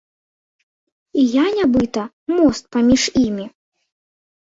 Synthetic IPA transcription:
ijanʲabɨt̪ɐ | mɔst̪̚pamʲiʂimʲi

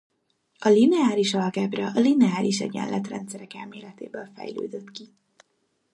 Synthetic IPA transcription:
ɒlinɛaːliʃɒlɡɛbrɒʔɒlinɛaːlʔiʃɛɟɛ̰nlʔɛt̪rɛnt̪sɛɾɛkɛlmeːlɛt̪eːbølfɛ̰jlø̰ːd̪øt̪ki

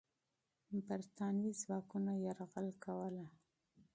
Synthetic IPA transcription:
baɾt̪ɑnizwɑkunajaɾɣəlkawəla

